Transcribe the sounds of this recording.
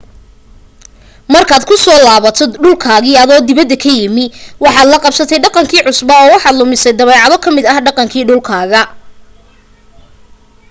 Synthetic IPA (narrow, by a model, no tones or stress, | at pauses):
mɐrkʰaːd̪kʰʊsɔːlaːβɐt̪ʰɔɖʊlkʰaːɣɪɐðɔːd̪ɪβɐd̪ːɐkʰɐjɪmɪwɑħɑːd̪lɐqɑbsɐt̪ʰɛjɖɑqɑŋkʰiːʕʊsbɐɔːwɑħɑːd̪lʊmɪsɛjd̪ɐβɛːʕɑðɔkʰɐmɪd̪ɐhɖɑqɑŋkʰiːɖʊlkʰaːɣɐ